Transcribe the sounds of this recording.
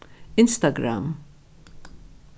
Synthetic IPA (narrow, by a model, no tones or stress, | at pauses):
ɪnst̪ɐɡɾɐ̰m